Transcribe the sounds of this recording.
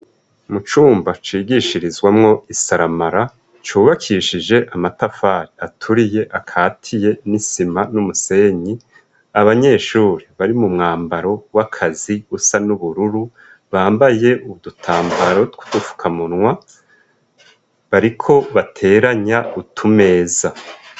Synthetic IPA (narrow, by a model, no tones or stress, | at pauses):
mut͡ʃuːmbat͡ʃiːɡiʃiɾizwamŋo̞isaɾamaɾa | t͡ʃuːβakʰiʃid͡ʒe̞ʔamatafaɾiatʰuɾije̞ʔakʰaːtʰije̞nisimanumuse̞ɲi | aβaɲe̞ːʃuːɾiβaɾimumŋaːmbaɾo̞wakʰaziusanuβuɾuɾu | βaːmbaje̞ʔuβudutʰaːmbaɾotku̥d̥ufu̥kʰamunŋwa | βaɾikʰo̞βatʰe̞ːɾaɲautʰume̞ːza